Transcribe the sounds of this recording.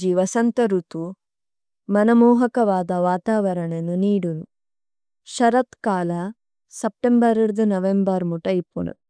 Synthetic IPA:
d͡ʒiʋɐsɐnt̪ɐɾut̪u | mɐnɐmɔːɦɐkɐʋaːd̪ɐʋaːt̪aːʋɐɾɐɳenuniːɽulu | ʃɐɾɐt̪kaːlɐ | sɐp̚ʈembɐɾiɾd̪unɐʋembɐɾmuʈɐjipːunṵ

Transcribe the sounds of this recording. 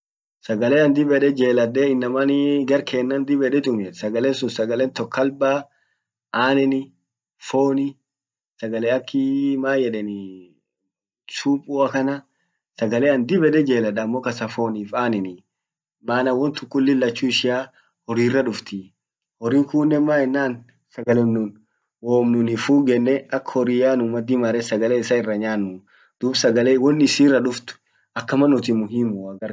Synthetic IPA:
sɐɡɐleːɐnd̪ɪbɛᶑɛd͡ʒeːlɐd̪ɛɪnːɐmɐnɪɡɐɾkʰeːnːɐnd̪ɪbɛᶑɛt̪ʼʊmɛsɐɡɐlɛːnsʊnsɐɡɐlɛnt̪ɔkʰːɐlbaː | aːnɛnɪ | foːnɪ | sɐɡɐleːɐkːɪmaːjɛᶑɛnɪ | t͡ʃuːpʼuːɐkɐnɐ | sɐɡɐleːɐnd̪ɪbɛd̪ɛd͡ʒeːlɐᶑɐːmːoːkɐsɐfo̞ːniːfaːnɛnɪ | maːnɐwɔnt̪ʊkːʊlːɪlːɐt͡ʃːuɪʃɪaː | hɔɾiːrːɐᶑʊft̪ɪ | hɔɾiːŋkuːnːɛmːaːɛnːaːn | sɐɡɐlɛmnʊn | woːmnʊnifuːɡɛnːɛɐkːhɔɾiːjaːnʊmːɐd̪imɐɾɛsɐɡɐlɛːɪsaːɪrːɐɲaːnmʊ | d̪̥ʊbsɐɡɐlewɔnːɪsirːɐᶑʊft̪ʊ̥ | ʔɐkːɐmɐnːʊt̪ɪmʊɦimːʊaɡɐɾ

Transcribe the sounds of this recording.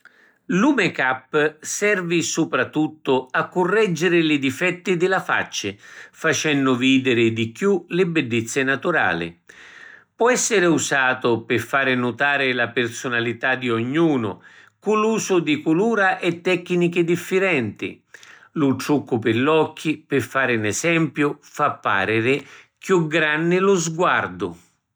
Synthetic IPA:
luːmɪkapːsɛrvisupɾat̪ːut̪ːʊakːʊrːɛd͡ʒːɪɾɪlid̪ifɛt̪ːid̪ɪlafa̰t͡ʃːɪfat͡ʃɛnːʊviːd̪ɪɾɪd̪ikjulɪbɛɖːɪt̪sːɪnat̪uɾa̰ːlɪ̰ | pwɔɛsːɪɾɪusaːt̪ʊpɪfːaːɾɪnʊt̪aːɾɪlapɪrsʊnalit̪ad̪ːioɲːuːnʊ̰ | kuluːsʊd̪ikuluːɾaʔɛt̪ːɛkːnikɪd̪ifːɪɾɛnt̪ḭ | lʊt̪ɾukːʊpɪlːɔkːipɪfːaːɾɪnɛsɛmpjʊfapːa̰ːɾɪɾɪ | kjuɡɾanːɪlʊzɡward̪ʊ

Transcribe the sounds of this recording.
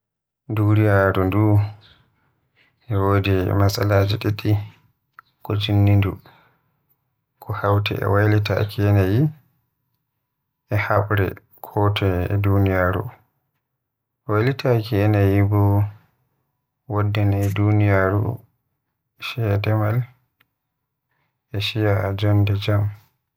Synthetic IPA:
dunijaɾundu | ʔɛwodɛmasalaːd͡ʒɛɗɛɗi | kɔd͡ʒinːindṵ | kʰɔhawtɛ̰ɛ̰wajlita̰kʰɛnaji | ʔɛhaɓɾɛ̰ | kʰɔtʰɛdunijaːɾṵ | wajlitakiɛnajibɔ | wɔdːɛnadunijaɾṵ | ʃiadɛmal | ʔɛʃijad͡ʒɔndɛd͡ʒam

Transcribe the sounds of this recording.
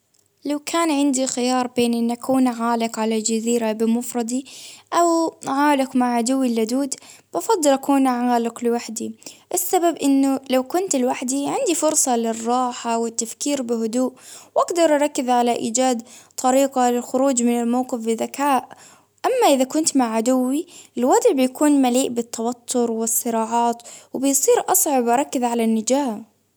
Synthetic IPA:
lawkʰaːnʕɪnd̪ixɪjɑːɾˤbeːnʔɪnːʔakʰuːnʕaːlɪqʕalad͡ʒaziːɾabɪmʊfɾˤɑd̪ˤiʔawʕaːlɪqmaʕʕad̪ʊwːilːad̪uːd̪b̥ɑfɑd̪ˤːɨlʔakuːnʔʕaːlɪklɪwaħd̪iʔɪsːababʔɪnːʊlawkʊnt̪ɪlwaħd̪iʕɪnd̪ifʊɾsˤɑlɪrˤːɑːħawɪt̪ːafkiːɾbɪɦʊd̪uːʔwʔaɡd̪ɑɾˤʔɑɾˤɑkːɪðʕalaʔḭːd͡ʒaːd̪t̪ʰˤɑɾiːqalɪlxʊɾuːd͡ʒmɪnɪlmawqɨfbɪðakaːʔ | ʔamːaʔɪðakʊnt̪maʕʕad̪ʊwːiʔɪlwɑd̪ˤʕbɪjakuːnmaliːʔbɪt̪ːawat̪ʰːʊɾwɪsˤːɨɾɑːʕɑːt̪wbɪjsˤiːɾʔɑsˤʕɪbʔɑɾˤɑkːɪðʕalanːɪd͡ʒaː

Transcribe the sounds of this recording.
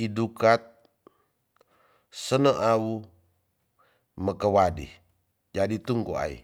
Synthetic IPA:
idukat̪̚ | sənəʔau | məkəwadḭ | d͡ʒadit̪uŋkoa̰ḭ

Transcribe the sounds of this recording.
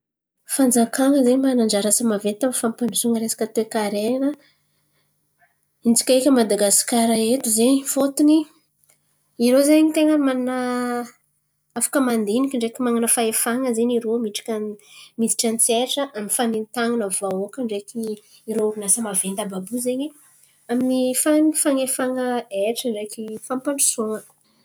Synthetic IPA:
fand͡zakaŋəzeɲimanaɳɖ͡ʐaɾasəmavent̪amfampanusuŋəɾesḁkʲət̪ekaɾenə | int͡si̥kʲaekʲəmad̪aɡaskaɾaet̪uzenifot̪uni | iɾozeɲit̪eŋəmanna | afḁkəmand̪enikʲiɳɖ͡ʐekimaŋanəfaefaŋəzeɲiɾomiʈ͡ʂḁkʲamid̪i̥ʈ͡ʂant͡sieʈ͡ʂəʔamifanint̪aŋanəvaokəɳɖ͡ʐeki | iɾoinasəmavend̪ababuzeɲi | aminifaŋfaŋefaŋəeʈ͡ʂəɳɖ͡ʐekifampaɳɖ͡ʐu̥soŋə

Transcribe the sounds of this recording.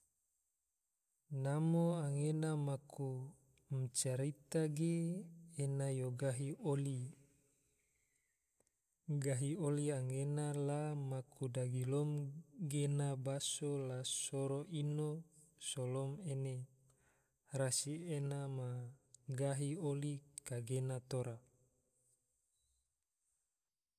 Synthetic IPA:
namoaŋenamaku | mt͡ʃaɾit̪aɡeː | najoɡaɦioli | ɡaɦioliaŋenalamakudaɡilɔmɡenabasolasoɾoʔino | solomene | rasienamaɡaɦiolikaɡenat̪oɾa

